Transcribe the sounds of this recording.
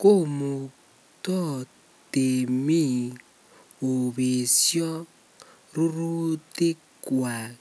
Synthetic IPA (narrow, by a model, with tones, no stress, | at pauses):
ko˦mu˨ | tɔ˦ | te˨mi˦˨ | o˨βe˨sjɔ˦ | ru˦ru˦te˦ | kwa˨